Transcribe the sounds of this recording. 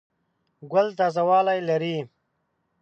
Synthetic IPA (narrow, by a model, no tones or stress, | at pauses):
ɡɐlt̪azɐwaːlajlɐɾiː